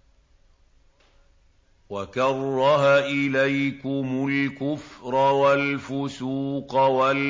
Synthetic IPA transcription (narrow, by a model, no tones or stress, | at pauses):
wakɑrˤːɑɦaʔɪlajkʊmʊlkʊfɾˤɑwalfʊsuːqɑwal